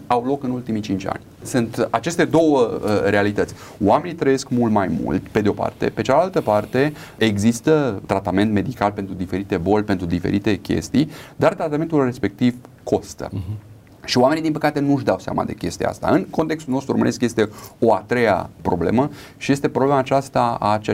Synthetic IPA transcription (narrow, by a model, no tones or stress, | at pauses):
awlo̞kɨnult̪imit͡ʃint͡ʃʲa̰nʲ | sɨnt̪at͡ʃe̞st̪e̞d̪o̞wəəɾe̞alit̪ət̪sʲ | oame̞nit̪ɾəjeskmult̪majmṵlt̪pe̞d̪eo̞pa̰rt̪e̞̰pe̞t͡ʃalalt̪əpart̪e̞ | eɡzist̪ət̪ɾat̪ame̞nt̪me̞d̪ikalpe̞nt̪ɾud̪ife̞ɾit̪e̞bo̞lʲpe̞nt̪ɾud̪ife̞̰ɾit̪e̞kʲe̞̰st̪ijd̪art̪ɾat̪ament̪ulre̞spe̞k̚t̪iv | kʰo̞st̪ə̰ | ʃioamenid̪inpəkat̪e̞nuʃd̪awsea̰ma̰d̪e̞̰kʲe̞st̪ija̰a̰st̪a̰ɨnko̞nt̪ekst̪ulnost̪ɾuɾomə̰eskje̞st̪e̞o̞at̪ɾe̞ja̰pɾo̞ble̞̰mə | ʃije̞st̪e̞pɾoble̞maːt͡ʃast̪aa̰t͡ʃe